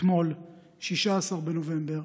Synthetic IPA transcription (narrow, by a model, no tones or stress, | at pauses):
mo̞l | ʃiʃaːsaʁbenove̞mbe̞ʁ